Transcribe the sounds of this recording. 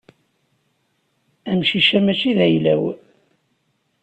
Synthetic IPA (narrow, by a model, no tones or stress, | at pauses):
æmʃiʃæmæt͡ʃiðæjlæw